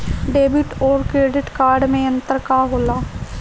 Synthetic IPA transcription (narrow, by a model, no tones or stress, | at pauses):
ɖeːbɪʈoːɾkɾeːɖɪʈkaːɾɖmẽə̃nt̪əɾkaːɦoːlaː